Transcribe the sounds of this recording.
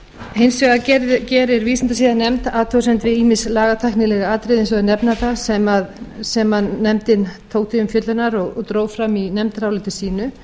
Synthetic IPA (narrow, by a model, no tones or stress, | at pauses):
hejnsvɛɣacɛːɾɪɾviːsant̪asiːðanɛmt̪aːt̪ʰɔsɛmt̪vɪðiːmɪslaːɣat̪ʰajhknɪlɛɣaaːt̪ɾɪðens̬ɔɣðʏnɛpnaθasɛmaðsɛmaðːɛmt̪ɪnt̪ʰoːwkt̪ʰɪʏmfjœt̪lʏnaɾɔɣɔɣt̪ɾowfɾaminɛmt̪ɾawlɪt̪ɪsiːnʏ